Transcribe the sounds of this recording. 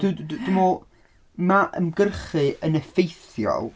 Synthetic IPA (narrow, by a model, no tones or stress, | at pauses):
d̥udddumɔ | maʔə̰mɡərχɨʔənəfejθjɔ̰lˠ